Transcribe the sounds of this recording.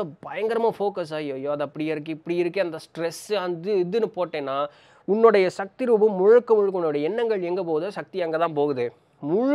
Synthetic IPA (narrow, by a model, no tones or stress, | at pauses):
ɐbɐjɐŋɡɐɾɐmafoːkɐs̬aːjoːjoːɐðɐpːɐɽɪjɐɾɯkːɯɪpːɐɽɪɪɾɯkːɯɐnd̪ɐsʈɾɛsɐnd̪ɯɪðɯnɯpoːʈːẽːnːaː | ʊnːʊɽɐjɐsɐk̚t̪ɪɾuːbɯmʊɻʊkːɐmʊɻɯk̬ːɐʊnːoɽɐjɐɛnːɐŋɡɐɭɛŋɡɐp̬oːðɯsɐk̚t̪ɪɛŋɡɐt̪ãːnpoːɣɯðɯ | mʊɻ